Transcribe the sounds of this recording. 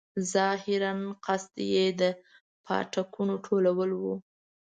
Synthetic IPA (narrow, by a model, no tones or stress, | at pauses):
zɑhɪɾanqast̪jed̪ə | pʰɑ̰ʈakʰunoʈʰolawəlwu